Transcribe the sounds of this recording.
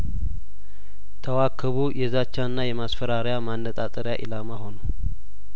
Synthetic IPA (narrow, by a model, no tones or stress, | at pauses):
t̪ʰəwakʰːəβujɛzat͡ʃːanːajɛmasfəɾaɾjamanːət̪ʼat̪ʼəɾjaʔilamaɦo̞no